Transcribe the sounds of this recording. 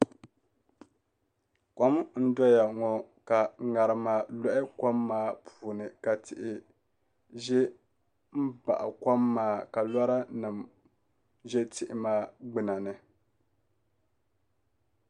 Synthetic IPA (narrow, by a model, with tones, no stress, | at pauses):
ka˦m˦n̩˦dɔ˦ja˨ŋɔ˨ka˨ŋa˨ɾɨ˨maː˨lɔ˦ʔɪ˦ka˦mːaː˦pʰuː˨nɨ˨ka˨tɪ˨ʔɪ˨ | ʒɛ˦ | m̩˦ba̰˨ʔa̰˨ka˦mːaː˦ka˨la˦ɾa˦nɨ˨m | ʒɛ˦tɪ˦ʔɪ˨maː˦ɡ͡bɨ˨na˨nɨ˨